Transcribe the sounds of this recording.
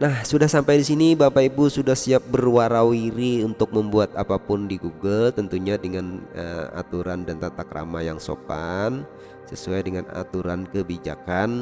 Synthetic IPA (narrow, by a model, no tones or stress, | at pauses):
nahsudahsampajdisinibapaibusudahsiap̚bərwaɾawiɾiunt̪ʊk̚məmbuat̪̚apapʊndiɡuɡəlt̪ənt̪uɲadəŋanəa̰t̪uɾandant̪at̪akɾa̰majaŋso̰pan | səsuajdəŋana̰t̪uɾankəbid͡ʒa̰kan